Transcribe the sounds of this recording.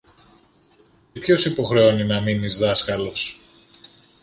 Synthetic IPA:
cepço̞sipo̞xɾeo̞ninɐminizðɐskɐlo̞s

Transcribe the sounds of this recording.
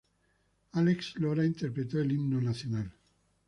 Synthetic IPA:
aleksloɾaint̪eɾpɾet̪oelimnonaθjonal

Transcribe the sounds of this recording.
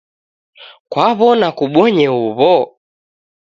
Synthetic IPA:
kwaβɔnakuɓɔɲɛuβɔ

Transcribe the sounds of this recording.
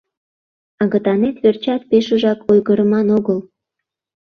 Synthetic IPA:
ɑɣət̪ɑnet̪βert͡ɕɑt̪̚peʃuʒɑkʰojɣəɾə̆mɑnoɣəl

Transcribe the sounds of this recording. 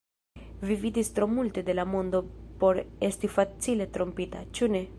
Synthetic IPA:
vivid̪ist̪ɾomult̪ed̪elamond̪opoɾest̪ifat̪silet̪ɾompit̪a̰t͡ʃune

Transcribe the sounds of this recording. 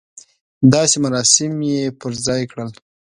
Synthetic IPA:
d̪ɑsemaɾɑsɪmjepəɾzɑjkɽəl

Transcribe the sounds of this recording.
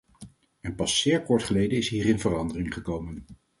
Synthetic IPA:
ɛnpɑsːɪːɹkɔɹtχəlejdənɪsɦiːrɪnvərɑndərɪŋχəkowmən

